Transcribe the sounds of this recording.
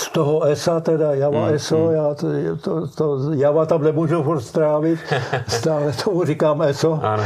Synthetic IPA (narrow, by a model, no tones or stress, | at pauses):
st̪oɦoɛsat̪ɛdajavaʔɛsojaːt̪ot̪ojavat̪amnɛmuʒufuɾt̪st̪ɾaːvɪt̪st̪aːlɛt̪ʰomurikaːmɛsoa̰n